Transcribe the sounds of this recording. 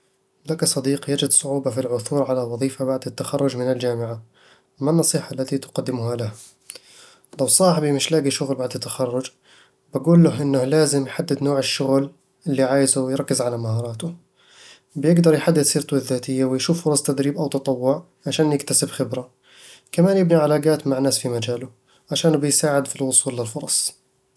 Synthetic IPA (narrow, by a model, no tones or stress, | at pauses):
lakasˤɑd̪iːqjad͡ʒɪd̪sˤʊʕuːbafilʕʊθuːɾˤʕalawɑðˤiːfabaʕd̪at̪ːaxɑrˤːʊd͡ʒmɪnɪld͡ʒaːmɪʕa | manːɑsˤiːħaʔlːat̪it̪ʊ̥qɑd̪ːɪmʊhalaha | lawsˤɑːħbimɪʃlaːɡiʃʊɣlbaʕd̪at̪ːaxɑrˤːʊd͡ʒ | b̥aɡuːlːʊɦʔɪnːahlaːzɪmjħad̪ːɪd̪noːʕɪʃːʊɣl | ʔɪlːiʕaːjɪzuwjɾɑkːɪzʕalamahɑːɾˤɑːt̪ʊ | bjɪɡd̪ɑɾˤjħad̪ːɪd̪siːɾt̪ʊɪðːaːt̪ɪjːawɪjʃuːfːʊɾˤɑsˤt̪ad̪ɾiːbʔawt̪ɑt̪ˤɑwːʊʕ | ʕaʃaːnjɪkt̪asɪbxɪbɾa | kamaːnjɪbniʕalaːɡaːt̪maʕnːaːsfimad͡ʒaːlʊ | ʕaʃaːnbɪjsaːʕɪd̪filwʊsˤuːlːɪlfʊɾˤɑsˤ